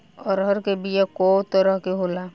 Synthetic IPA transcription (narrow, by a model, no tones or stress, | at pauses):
ɔːɾɦəɾkebijakɔːt̪əɾəɦkeɦoːla